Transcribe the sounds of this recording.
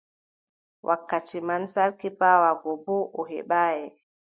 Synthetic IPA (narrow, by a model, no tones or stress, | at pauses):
wʔakːatimansaɾkipaːwaɡɔbɔʔɔɦɛ̰ɓaːjɛ